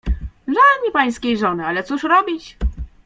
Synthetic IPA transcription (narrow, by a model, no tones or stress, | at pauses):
ʐaɲipaj̃skʲejʐɔnɘalɛt̪suʂɾɔbʲit͡ɕ